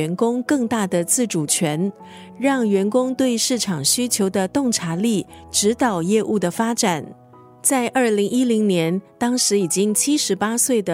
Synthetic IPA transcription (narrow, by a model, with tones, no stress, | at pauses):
ɛ˧˥nkʊ˥ŋkɤ˥˧ŋt̪a˥˩d̪ə˩t͡sɹ̩˥˩ʈ͡ʂu˨˩t͡ɕʰɥɛ˧˥n | ɻɑ˥˩ŋɥɛ˧˥nkʊ˥ŋt̪we˥˧ɪʂɻ̩˥˩ʈ͡ʂʰɑ˨˩ŋɕy˥t͡ɕʰjo˧˥ʊd̪ə˧t̪ʊ˥˩ŋʈ͡ʂʰa˧˥li˥˩ʈ͡ʂɻ̩˧˥t̪ɑ˨˩ʊjɛ˥˧ʔu˥˩d̪ə˩fa˥ʈ͡ʂa˨˩n | t͡sa˥˧ɪʔə˞˥˩li˧˥ŋi˥li˧˥ŋnjɛ˧˥nt̪ɑ˥ŋʂɻ̩˧˥i˨˩t͡ɕi˥ŋt͡ɕʰi˥ʂɻ̩˧˥pa˥swe˥˩ɪd̪ə˩